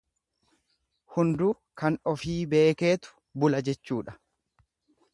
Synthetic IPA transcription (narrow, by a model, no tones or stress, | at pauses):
hʊnd̪uː | kɐnɔfiːbe̞ːke̞ːt̪ʊ̥ | bʊlɐd͡ʒɛt͡ʃːuːᶑɐ̥